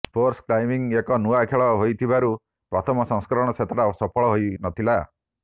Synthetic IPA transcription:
pʰoɾskɾajmiŋekɔnuakʰeɭɔɦojt̪ʰibaɾu | pɾɔt̪ʰɔmɔsɔ̃ŋskɾɔɔɽ̃ɔt͡ʃʰet̪ɔʈasɔpʰɔɭɔɦojnɔt̪ʰila

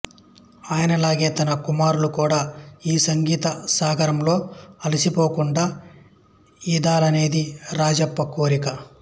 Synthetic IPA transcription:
aːjɐnɐlaːɡe̞ːt̪ɐnɐkumaːɾulukuːɽaːiːsɐŋɡiːt̪ɐsaːɡʱɐɾɐmlo̞ːɐlisipo̞ːkuɳɖaː | id̪aːlɐne̞ːd̪iɾaːd͡ʒɐpːɐkoːɾikɐ

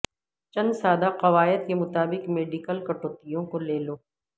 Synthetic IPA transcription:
t͡ʃɐ̃nd̪saːd̪aqɐʋaːɪd̪̚kemʊt̪aːbɪqmeːɖɪkəlkɐʈoːt̪ijõkoleːloː

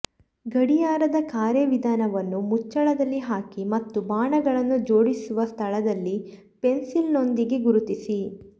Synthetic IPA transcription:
ɡɐɽijaːɾɐd̪ɐkaːɾjɐʋid̪ʱaːnɐʋɐnːumut͡ʃːɐɭɐd̪ɐlːiɦaːkimɐt̪ːubaːɳɐɡɐɭɐnːud͡ʒo̞ːɽisuʋɐst̪ʰɐɭɐd̪ɐlːi | pe̞nsilno̞nd̪iɡe̞ɡuɾut̪isi

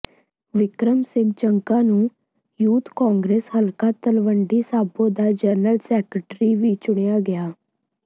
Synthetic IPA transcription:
ʋɪkɾəmsɪ̃ŋɡ̚t͡ʃəŋkãːnũː | juːt̪kãːŋɡɾeːshəlkaːt̪əlʋəɳɖiːsaːbõːd̪aːd͡ʒɛːnəlsɛːkəʈɾiːʋiːt͡ʃʊɽ̃ejaːɡɪaː

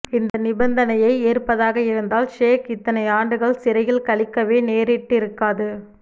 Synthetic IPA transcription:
ɪnd̪ɐnɪbɐnd̪ɐnɐjɐɪeːrpɐðaːɣɐɪɾɯnd̪aːlʃeːkɪt̪ːɐnɐɪaːɳɖɯɣɐɭsɪɾɐjɪlkɐɭɪkːɐʋeːneːɾɪʈːɪɾɯkːaːðɯ

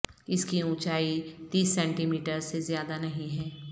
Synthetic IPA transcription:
ɪskiũːt͡ʃaːit̪iːsːɛ̃ːɳʈimiːʈəɾsezjaːd̪anɐɦĩɦɛː

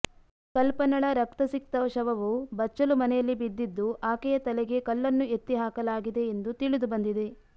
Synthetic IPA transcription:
kɐlpɐnɐɭɐɾɐk̚t̪ɐsik̚t̪ɐʋɐʃɐʋɐʋubɐt͡ʃːɐlumɐnɛjɐlːibid̪ːid̪ːuʔaːkɛjɐt̪ɐlɛɡe̞kɐlːɐnːue̞t̪ːiɦaːkɐlaːɡid̪e̞ːnd̪ut̪iɭid̪ubɐnd̪id̪e̞

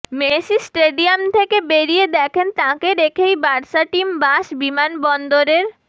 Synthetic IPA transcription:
meʃisʈeɖiamt̪ʰekebeɾied̪ɛkʰent̪ãkeɾekʰejbaɾʃaʈimbaʃbimanbɔnd̪oɾeɾ

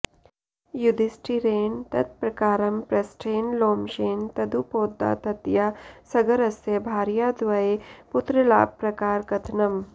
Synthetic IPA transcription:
jud̪isʈʰiɾeːnt̪ɐt̪̚pɾɐkaːɾɐmpɾɐsʈʰeːnloːmʃeːnt̪ɐd̪upoːd̪ːa̰ːt̪ɐt̪jasɐɡɐɾɐsjɐbʱaːɾjaːd̪ʋɐepʊt̪ɾəla̰ːb̚pɾɐkaːɾkɐt̪ʰnɐm

